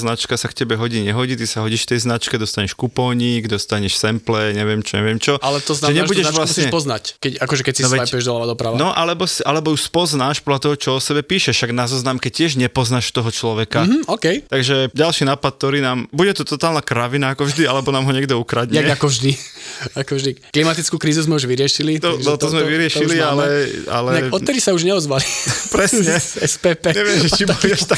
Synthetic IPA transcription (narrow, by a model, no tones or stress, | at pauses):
znat͡ʃkasakcɛbɛɦɔɟiɲɛɦɔɟiːt̪isaɦɔɟiːʃft̪ɛjznat͡ʃkɛd̪ɔst̪aɲɛʃkupɔɲiɡd̪ɔst̪aɲɛʃsɛmplɛɲɛʋɪɛmt͡ʃɔɲɛ̰ʋɪɛmt͡ʃɔʔalɛt̪ɔznaʒɛɲɛaʒbuɟɛʒaʋlamssiɲɛpɔznackɛcakɔʒɛkɛcsinɔʋɛaiɛʒd̪ɔlaʋad̪ɔpɾaʋanɔʔalɛbɔsiʔalɛbɔjuspɔznaːʃpɔd̪lat̪ɔɦɔt͡ʃɔɔsɛbɛpiːʃɛʃaɡnazɔznaːmkɛcɪɛʒɲɛpɔznaʃt̪ɔɦɔt͡ʃlɔʋɛkaɦ̩ɔkɛjt̪aɡʒɛɟalʃiːnaːpat̪̚t̪ɔɾiːnaːmbuɟɛt̪ɔt̪ɔt̪aːlnakɾaʋinaːkɔvʒd̪ialɛbɔnaːmɦɔɲɛɡd̪ɔukɾad̪ɲɛakɔvʒd̪iakɔʒd̪ikklimat̪it͡skuːkɾiːzuzmɛuʒʋiɾɪɛʃilit̪ɔɔt̪ɔzmɛʋiɾɪɛʃilialɛa̰lɛɛɔɛd̪isauʒɲɛɔzʋalipɾɛsɲɛ | ɛspɛpɛɲɛʋɪɪɛmʒɛt͡ʃibuliɛʃt̪ak